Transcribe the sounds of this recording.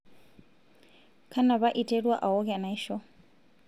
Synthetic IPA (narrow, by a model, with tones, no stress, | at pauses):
kʰa˦na˨βa˦ʔi˨tʼe˦ɺwa˦ʔa˨ɦɔ˦kɛ˨na˨iʃɔ˦